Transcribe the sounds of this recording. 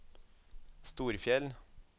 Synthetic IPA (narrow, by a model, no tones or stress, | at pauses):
st̪uːɾfjɛl